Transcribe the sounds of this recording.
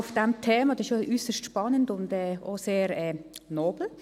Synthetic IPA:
ʊfd̥ɛmtʰeːmɑd̥ɛʃoʔysəʃtʃpɑnəndʊndɛːoseːɾɛːnoːb̥l̩

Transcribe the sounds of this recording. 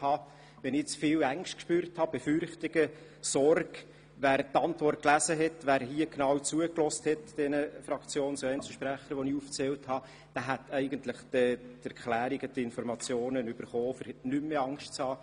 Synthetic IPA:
hɑː | ʋɛnɪt͡sfɪːlæŋʃtkʃpyːɾthɑb̥efʏrχtɪɡ̥ə | sɔrɡ | ʋæːɾtɑntvɔrt̚klæzəɦɛtʋæːɾɦiəɡ̥nɑːwt͡suəklɔsthɛtd̥ɛnəfɾɑkt͡sjoːnsoɛnt͡sl̩ʃpɾæχəɾʋɔniuft͡sɛlthɑ | d̪̥æɦæt̪ɛɪɡənt̪ləχd̥ɛdæɾklæːɾiɡəd̪əɪnfɔɾmɑt͡sjoːnənyb̥əɾχɔːfəɾnymːeɑŋʃtt͡shɑː

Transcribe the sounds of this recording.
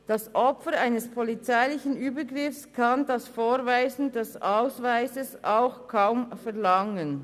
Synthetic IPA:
d̥ɑsʔɔpfəɾaɪnəspʰɔlit͡saɪlɪçən̩yːbəɡʁɪfskʰɑndɑsfoːɾvaɪzn̩dɛsʔaʊsvaɪzəsaʊxkʰaʊmfɛɐʁlɑŋən

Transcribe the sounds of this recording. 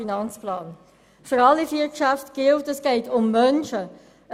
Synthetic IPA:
inɑnt͡splɑːn | fʏɾɑlːifiːkʃæftɡ̥ɪltɛsɡ̥ɛɪtʊmmœnʃə

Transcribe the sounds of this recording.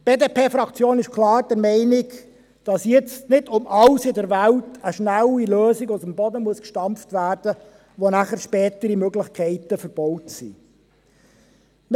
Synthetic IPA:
b̥eːdeːpʰeːfɾɑkt͡sjoːnɪʃkʰlɑːɾd̥ɛɾmɛɪnɪk | d̥ɑsjɪt͡stnɪdʊmʔɑlsɪdəɾʋæltʰəʃnæliløːsɪɡʊsəmbɔdəmuəskʃtɑmftʋæːrd̥ə | ʋonæχərʃpɛːtəɾimøɡlɪχkʰɛɪtəfəɾb̥ɔʊtsḭ

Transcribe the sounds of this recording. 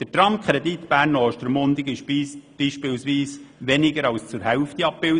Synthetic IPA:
d̥ətɾɑmkχɾɛd̪it̪b̥æːrnɔːʃtəɾmʊnd̪ɪɡɪʃisb̥iːʃpɪlwsʋiːsʋɛnɪɡəɾɑwst͡sʊɾhɛʊft̪iɑp̚bɪl

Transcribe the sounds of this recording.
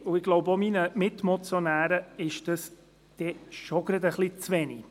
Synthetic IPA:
ʊɪɡloʊbominəmɪtmɔt͡sjonæːɾəɪʃd̥əs | d̥ɛʃoɡ̥ɾɑd̪əχlit͡sʋɛni

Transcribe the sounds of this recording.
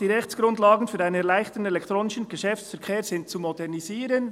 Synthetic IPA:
d̥iːʁɛçt͡sɡ̥ɾʊntlaːɡən̩fyːɾʔaɪnənɛɐlaɪxtəən̩ɛlɛktʁoːnɪʃən̩ɡ̥əʃɛfsfɛɾkʰeːɾz̥ɪntt͡sumɔdɛʁniziːɾən

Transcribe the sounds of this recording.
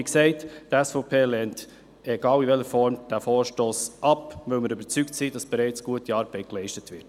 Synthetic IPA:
iksɛɪttæsfɔʊpʰeːlɛnt | eɡɑːlivɛləɾfɔɾmd̥æfɔːɾʃtoːsʔɑpvœməɾøbət͡syktsiːdɑsb̥ɛɾɛɪt͡sɡ̥uətiɑːɾb̥ɛɪklɛɪʃtətvɪɾt

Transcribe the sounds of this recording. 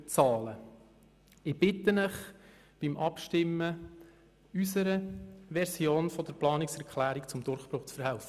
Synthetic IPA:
t͡sɑːlə | ɪb̥ɪt̪ːənəχ | b̥imʔɑpʃtɪmːə | ysəɾəʋɛɾsjoːnfɔd̥əɾplɑːnɪksɛɾkʰlæːɾikt͡sʊmd̪ʊrχpɾʊχt͡sfəɾhæʊfə

